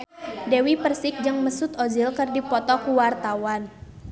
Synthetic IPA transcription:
dɛwipərsɪk̚d͡ʒɨŋməsut̪ozilkərdipɔt̪ɔkuwart̪awan

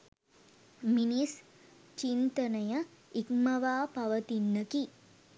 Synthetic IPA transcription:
minis | t͡ʃint̪ɐnɐjɐ | ik̚mɐʋaːpɐʋɐt̪inːɐki

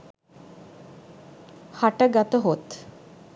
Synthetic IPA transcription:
haʈəɡat̪əɦot̪

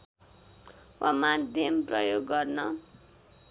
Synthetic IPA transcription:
wʔamad̪ʱjʌmprʌ̰joɡːʌrnʌ

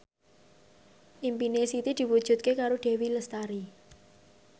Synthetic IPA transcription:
ʔimpinesit̪id̪̥i̤wud̥ʒ̥ṳt̪̚kekaɾoɖ̥e̤wiləst̪aɾi

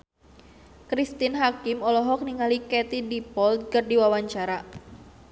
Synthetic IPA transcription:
kɾist̪ɪnɦakɪmɔlɔɦɔk̚niŋalikɛt̪idipɔlt̪̚kərdiwawaɲt͡ʃaɾa

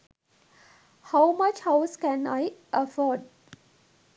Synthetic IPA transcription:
haʊmʌt͡ʃhaʊskɛ̃naɪʔəfɔɖ̚

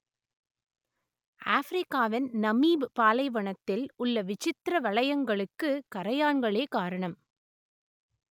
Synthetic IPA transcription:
ʔaːfɾɪkːaːʋɪnnɐmiːbpaːlɐɪʋɐɳɐt̪ːɪlʊɭːɐʋɪt͡ʃɪt̪ɾɐʋɐɭɐjɐŋɡɐɭɯkːɯkɐɾɐjaːnɡɐɭeːkaːɾɐɳɐm

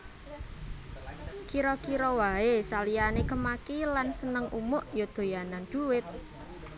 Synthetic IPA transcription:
kiɾɔkiɾɔwaesalijanekəmakilansənəŋʔṵmʊʔjod̪̥o̤janand̪̥uwɪt̪̚

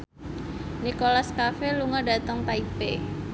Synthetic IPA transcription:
nikolaskafeluŋɔɖa̤t̪əŋpaipe

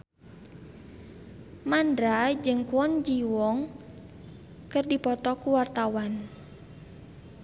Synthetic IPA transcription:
mandɾad͡ʒɨŋkuɔnd͡ʒiwɔŋ | kɨrdipɔt̪ɔkuwart̪awan

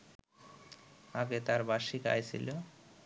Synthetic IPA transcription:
aɡet̪aɾbaʃika̰jt͡ɕʰḭlo

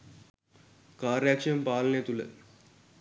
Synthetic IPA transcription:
kaːɾjaːkʂɐjɐmpaːlɐneːt̪ulə̰

